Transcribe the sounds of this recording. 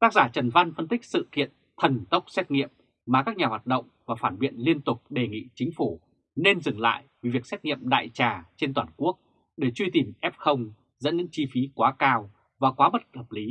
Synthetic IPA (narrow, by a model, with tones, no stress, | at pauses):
t̪aː˦˥k̚zaː˧˩t͡ɕə˨˩nva˧nfə˧nt̪ï˦˥k̟̚sɨ̰˧˨kḭ˧˨ən | t̪ʰə˨˩nt̪ə˦˥wk͡p̚sɛ˦˥t̚ŋḭ˧˨əm | maː˨˩kaː˦˥k̚ɲaː˨˩hwaː˨˩t̚ɗə̰˧˨wŋ͡mvaː˨˩faː˧˩nɓḭ˧˨ənli˧ənt̪ʊ˨˩k͡p̚ɗe˨˩ŋḭ˧˨t͡ɕï˨˦ŋ̟fu˧˩ | ne˧nzɨ˨˩ŋla̰ː˧˨jve˨˦vi˨˩ək̚sɛ˦˥t̚ŋḭ˧˨əmɗa̰ː˧˨jt͡ɕaː˨˩t͡ɕe˧nt̪waː˨˩nku˦˥ək̚ | ɗe˧˩t͡ɕwi˧t̪i˨˩mʔɛ˦˥p̚xə˧wŋ͡m | zə̰˧˥nɲɨ̰˧˥ŋt͡ɕi˧fi˨˦kwaː˨˦kaː˧w | vaː˨˩kwaː˨˦mə˦˥t̚t̪əː˨˩p̚li˨˦